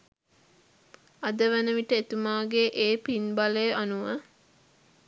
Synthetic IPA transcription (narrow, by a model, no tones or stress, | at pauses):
ad̪əʋænəʋiʈəet̪umaːɡeʔeːpinbalejʔanuʋə